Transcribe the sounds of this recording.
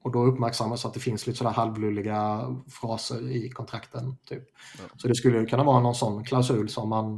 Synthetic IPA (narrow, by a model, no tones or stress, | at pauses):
ɔd̪ɔɵpːmæɾksamːasat̪̚d̪ɛfɪnsliːt̪əsɔd̪æːɾhalvlʉːlːɪɡafɾɑːsəɾɪkʰɔnt̪ʰɾakt̪ənt̪ʰyːp̚sɔd̪ɛskɵlːəjɵkʰɵnːavɑːɾanɔnsɔnːkʰlaʊsʉ̟ːlsɔmːan